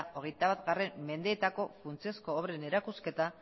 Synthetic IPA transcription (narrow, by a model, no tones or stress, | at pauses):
o̞ɣe̞jt̪aβat̪ɡare̞mme̞nd̪e̞ːt̪ako̞funt͡siosko̞ːβɾene̞ɾakuske̞t̪a